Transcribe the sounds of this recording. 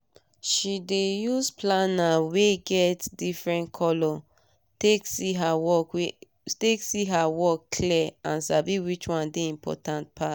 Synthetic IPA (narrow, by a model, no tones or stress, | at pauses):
ʃidejusplanaweɡɛtdifɹɛ̃ntkʰɔlɔ | tekiɦawɔ | teksiɦawɔkːʰliãnsabiwit͡ʃwãndeĩmpʰɔ̰tãnt̚pʰat